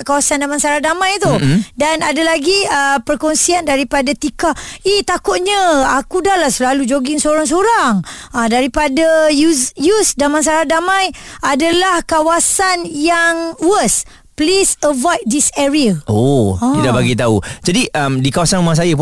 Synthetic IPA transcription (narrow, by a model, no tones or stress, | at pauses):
kawasandamãnsaɾahdamãjt̪udanadalaɡiəpərkɔnsiandaɾipadat̪ikait̪akʊt̪̚ɲəakudalahsəlalud͡ʒoɡɪŋsoɾaŋs̬oɾaŋadaɾipadajusjusdamãns̬aɾadamãjadalahkawasanjaŋwəs | plisəvajt̚disɛɾiəoãidabaɡit̪aṵd͡ʒadiʔəmdikawasanumaŋs̬ajəp